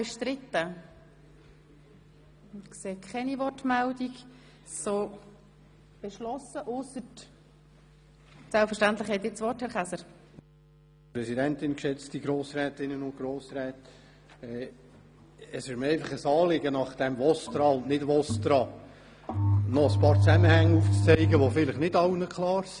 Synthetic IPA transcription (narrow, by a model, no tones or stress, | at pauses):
beʃtɾɪt̪ːə | kseːkʰχɛnivɔrtmɛldiɡ | soː | b̥eʃlɔsəʔʊsət | sɛlpfəɾʃtænt̪ləχhɛt̪ɪt͡sʋɔthɛɾχæsəɾ | pɾɛsidɛntɪnkʃɛt͡stiɡɾoːsɾɛːtɪnːənʊnt̚ɡ̥ɾoːsɾɛːt | ɛ | əsɪʃmɛɪfɑχəsɑːlɪɡənɑχd̥ɛmvɔstɾɑʊnnɪdʋɔstɾɑ | nɔəspɑːɾt͡sæməhæŋːəuːft͡st͡sɛɪɡəʋofɪləχnɪdɑwnəkʰχlɑːɾs